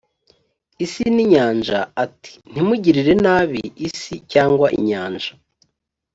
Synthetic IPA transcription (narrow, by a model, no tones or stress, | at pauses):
isiniɲaːnʒaatʰi̥n̥imuɟiɾiɾe̞naːβiisicaːŋɡwaʔḭɲaːnʒa